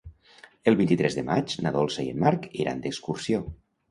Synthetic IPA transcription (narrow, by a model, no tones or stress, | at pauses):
əlˠβint̪it̪ɾɛzðəmat͡ʃnaðolˠseiə̰mːaɾkeɾa̰nd̪əkskuɾsio